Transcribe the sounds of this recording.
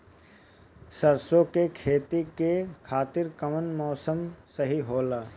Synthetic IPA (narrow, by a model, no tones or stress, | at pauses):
səɾsokekʰeːt̪ikekʰaːt̪ɪɾkəmənmɔːsəmsəɦiɦoːlaː